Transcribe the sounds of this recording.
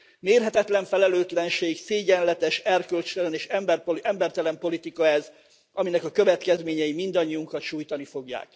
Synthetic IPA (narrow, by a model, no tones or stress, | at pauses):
meːrɦɛt̪ɛt̪lɛɱfɛlɛløːt̪lɛnʃeːɡseːɟɛnlɛt̪ɛʃɛrkølt͡ʃt̪ɛlɛneːʃɛmbɛrpoʔɛmbɛrt̪ɛlɛmpo̞lit̪ikɒɛz | ʔɒminɛkɒkø̞vɛt̪kɛzmeːɲɛjimind̪ɒɲːiuŋkɒt̪ʃuːjt̪ɒnifo̞ɡja̰ːk